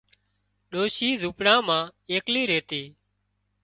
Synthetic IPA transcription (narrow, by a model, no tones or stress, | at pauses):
ɗoːʃiːzuːpɽãːmãːeːkliːɾeːt̪iː